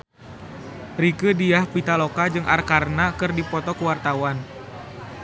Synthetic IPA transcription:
rikədiahpit̪alokad͡ʒɨŋʔa̰rkarnakɨrdipɔt̪ɔkəwart̪awan

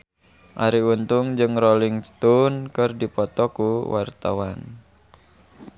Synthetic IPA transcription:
ʔaɾiunt̪ʊŋd͡ʒɨŋroliŋst̪ɔnkɨrdipɔt̪ɔkuwart̪awan

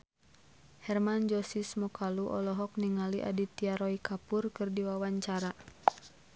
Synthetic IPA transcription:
hɛrmand͡ʒɔsismɔkaluʔɔ̰lɔɦɔk̚niŋaliʔa̰dit̪iaɾɔikapurkɨrdiwawaɲt͡ʃaɾa

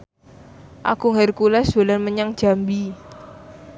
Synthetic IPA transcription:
ʔa̰kuŋɛrkulɛsb̥olanməɲaŋd̥ʒ̥a̤mbi

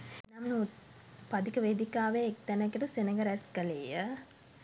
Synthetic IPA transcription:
namnu | pad̪ikəʋeːd̪ikaːʋeːk̚t̪ɛnəkeʈəsenəɡəɾɛskəleːjə

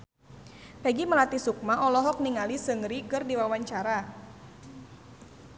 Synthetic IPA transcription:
pɛɡiməlat̪isuk̚maʔɔlɔɦɔk̚niŋalisəŋɾikɨrdiwawaɲt͡ʃaɾa

